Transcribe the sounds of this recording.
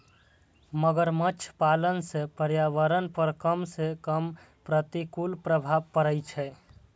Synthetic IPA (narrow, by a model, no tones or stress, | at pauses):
məɡəɾmət͡ʃʰpalənsẽpəɾjaʋəɾənpəɾkəmsekəm | pɾət̪ikulpɾəbʱabpəɾəjt͡ʃʰɛ